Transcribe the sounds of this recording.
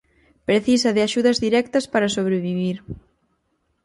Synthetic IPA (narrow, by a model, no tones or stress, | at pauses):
pɾeθisɐðɪaʃuðɐzðiɾɛk̚t̪ɐspaɾasoβ̞ɾeβiβiɾ